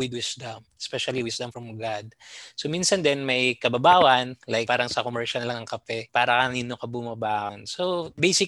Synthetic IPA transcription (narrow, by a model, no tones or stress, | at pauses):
wɪd̪̚wɪsd̪ɐmspɛʃɐliwɪsd̪ɐmfɹɐmɡad̪̚sominsɐnd̪ɛnmɐjkɐbɐbaːwɐnlajkpaːɾɐŋsɐkomɛɹʃɐnlɐŋɐŋkɐpɛpaːɾɐkɐniːnokɐbʊmɐbaːʔɐnsobejsɪ